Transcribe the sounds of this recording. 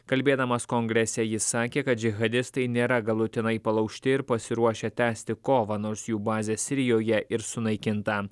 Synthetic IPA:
kɐlʲbʲeːd̪ɐmɐskɔŋɡɾʲɛsʲɛjɪsɑːkʲeːkɐt̪̚d͡ʒʲɪɣɐd̪ʲɪst̪ɐɪnʲeːɾɐɡɐlˠʊt̪ʲɪnɐɪpɐlˠɐʊkʲʃʲt̪ʲɪɪɾpɐsʲɪɾuɔʃʲɛt̪ʲæːsʲt̪ʲɪkoːʋɑːnoːɾsjuːbɑːzʲesʲɪɾʲɪjoːjɛʔɪɾsʊnɐɪkʲɪnt̪ɑ

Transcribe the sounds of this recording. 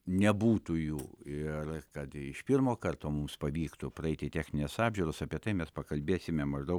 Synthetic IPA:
nʲɛbuːt̪ujuːɪrkɐt̪ɪʃpʲɪrmoːkɐrt̪oːmʊmspɐʋʲiːkt̪ʊpɾɐɛɪt̪ʲɪtʲæːxʲnʲɪnʲesɑːbʲʒʲʊːɾosɑpʲiɛt̪ɐɪmʲɛspɐkɐlʲbʲeːsʲɪmʲɛmɐʒd̪ɐʊk

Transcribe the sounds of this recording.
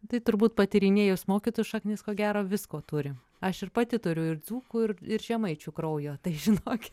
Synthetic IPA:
t̪ɐɪt̪ʊɾbuːt̪̚pɐt̪ʲɪɾʲɪnʲeːjʊsmoːkʲiːt̪oːjʊʃɐknʲɪːskoːɡʲæːɾoːʋʲɪskoːt̪uɾʲɪ | ɐʃɪrpɐt̪ʲɪt̪ʊɾʲʊɪrd͡z̪uːkuɪrɪɾʒʲɛmɐɪt͡ʃʲukɾɐʊjoːt̪ɐɪʒʲɪnoːkʲɪ

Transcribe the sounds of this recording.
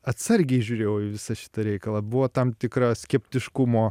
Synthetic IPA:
ɐt̪sɐɾʲɡʲɛɪʒʲuːɾʲeːjɛʊɪʋʲɪsɐʃʲɪ̥t̪ɐɾʲɛɪkɐlˠɐbʊʋoːt̪ɐmt̪ʲɪkɾɐsʲkʲɛpʲt̪ʲɪʃkʊmoː

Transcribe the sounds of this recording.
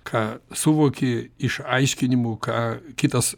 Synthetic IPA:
kʰɑːsuʋoːkʲeɪʃɐɪʃʲkʲɪnʲɪmʊkʰɑːkʲɪt̪ɐs

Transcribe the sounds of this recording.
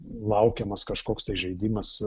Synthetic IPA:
lˠɐʊkʲɛmɐskɐʃkoːkst̪ɐɪʒʲɛɪd̪ʲɪmɐs

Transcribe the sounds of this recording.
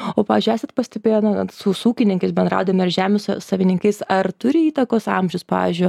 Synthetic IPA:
oːpɑːʋʲːzʲd͡ʒʲyjæːsʲɛt̪pɐsʲt̪ʲɛbʲeːjnɐsʊsuːkʲɪnʲɪŋkɐɪsbʲɛnd̪ɾɑ̰ʊd̪ɐmɪɾʒʲæːmʲʊssɐʋʲɪnʲɪŋkɐɪsɐrt̪ʊɾʲɪiːt̪ɐkoːsɐ̰mʲʒʲʊspɑ̰ːʋʲḭzʲd͡ʒʲʊj

